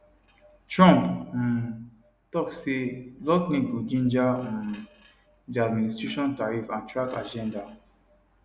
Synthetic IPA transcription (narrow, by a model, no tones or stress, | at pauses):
tɹɔ̃mp̩n | tɔkselɔtnĩɡud͡ʒĩnd͡ʒaɔ̃n | diadmĩnistɹeʃɔ̃ntaɹifãntɹaka̰d͡ʒɛ̃nda